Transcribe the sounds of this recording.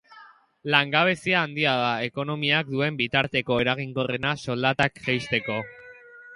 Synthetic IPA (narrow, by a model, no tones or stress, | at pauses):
laŋɡaβ̞e̞siaːnd̪iaðae̞ko̞no̞miak̚d̪ue̞mbit̪aɾt̪e̞ko̞e̞ɾaɣ̞iŋɡo̞re̞naso̞ld̪at̪akʝejst̪e̞ko̞